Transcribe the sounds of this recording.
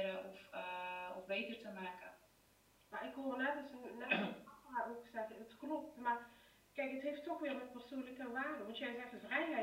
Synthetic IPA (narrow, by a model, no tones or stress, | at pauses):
ɾəɔf | ɔfbeːtərtəmaːkə | marɪkhoənɛtəsnynɛaʔoksɛxəətklop̚tmar | kɛkətheːftːɔxʋɪːəmɛt̚pərsuləkənʋaːrdəmɔntjɛsɛxənsrɛjɦɛ